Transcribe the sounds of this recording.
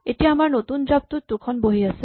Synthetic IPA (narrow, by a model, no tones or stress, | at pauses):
eʈiamaɾnot̪und͡ʒab̚t̪ut̪ːukʰɔnboɦiase